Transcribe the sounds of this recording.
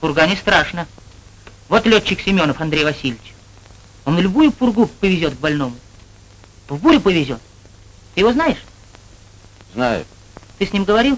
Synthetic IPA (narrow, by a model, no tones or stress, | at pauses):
pʊrɡanʲɪst̪ɾaʂnə | vo̞t̪lʲot͡ɕːɪksʲɪmʲo̞nəfɐnd̪ɾʲejvɐsʲilʲɪt͡ɕ | onːlʲʊbujʊpʊrɡupɪvʲɪzʲo̞t̪ɡ̚bɐlʲno̞mʊ | pʊrbuɾʲʊpəvʲɪzʲo̞t̪̚ | t̪ɨjɪvo̞znajɪʂ | zna̰jʊ̰ | t̪ɨsʲnʲimɡəvɐɾʲilˠ